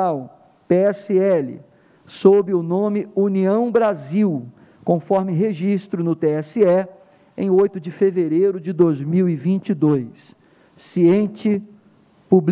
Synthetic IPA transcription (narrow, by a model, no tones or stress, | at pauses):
aw | peɛsɪɛlɪ̰ | sobɪʊnõmɪuniɐ̃w̃bɾaziw | kõfɔɾmɪɦeʒist̪ɾʊnʊt̪eɛsɪɛ | ḛ̃j̃ojt̪ʊd͡ʒɪfeveɾejɾʊd͡ʒɪd̪ojzmiwivĩnt͡ʃid̪ojsː | iẽnt͡ʃɪ | publ